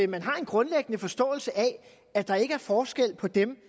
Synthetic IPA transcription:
mænɦɑ̈e̝nɡ̥ʁɔ̽nleɡ̥ənəfɒ̽sd̥ɔ̰̽ːl̩səʔɛ | æd̥ɑ̈e̝ɡ̥əæɐfɒːsɡ̥el̰pʰɒ̽d̥em

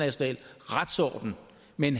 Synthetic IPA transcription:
æɕo̝nɛ̰ːlʁad̥sɒ̰ːd̥n̩ | menɦ

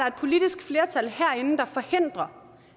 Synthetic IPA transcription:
ɑɐe̝d̥pʰo̝lid̥isɡ̥fle̝ːɐt͡sʰæl̰hæɐ̰e̝nn̩d̥ɑ̈fɒ̽he̝n̰d̥ʁɐ

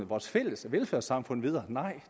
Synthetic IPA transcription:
ʋɒːsfel̰əsʋelføɐ̰sɑ̈mfɔ̽n̰̩ˠʋið̞ˠɐːnɑ̈ɪ̰

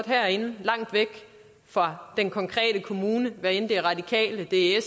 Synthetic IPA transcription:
d̥ɦæɐ̰e̝nəlɑ̈ŋ̰d̥ʋeɡ̥ | fɒd̥enkʰɒ̽ŋkʰʁɛ̰ːd̥əkʰo̝muːnəʋæɐend̥e̝æɐʁɑ̈d̥ikʰɛ̰ːləd̥e̝e

